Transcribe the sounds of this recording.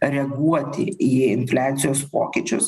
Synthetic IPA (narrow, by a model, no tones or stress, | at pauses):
ɾʲɛɡuɔt̪ʲɪ̰iːɪnfʲlʲæːt̪sʲɪjoːspo̰ːkʲɪt͡ʃʲʊs